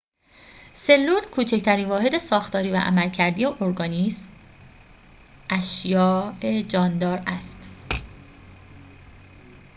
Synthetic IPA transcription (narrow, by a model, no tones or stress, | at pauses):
se̞lːuːlkʰuːt͡ʃʰect̪ʰæɾiːnvɒːhe̞d̪e̞sɒːxt̪ʰɒːɾiːvæ̰ʔæ̰mælcʰæɾd̪ijeʔoɾɡɒːnism | ʔæʃjɒːed͡ʒɒːnd̪ɒːɾæst̪